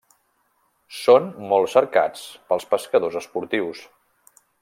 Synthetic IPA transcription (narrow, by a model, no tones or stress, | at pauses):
sonmɔlˠsəɾka̰t͡spəlˠspəskəðozəspuɾt̪iws